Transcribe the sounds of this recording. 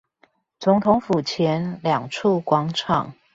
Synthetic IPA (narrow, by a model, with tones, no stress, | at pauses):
t͡sʊ˧˥ŋt̪ʰʊ˧˦ŋfu˨˩t͡ɕʰjɛ˧˦nljɑ˨˩ŋʈ͡ʂʰu˥˩kwɑ˧˥ŋʈ͡ʂʰɑ̰˨˩ŋ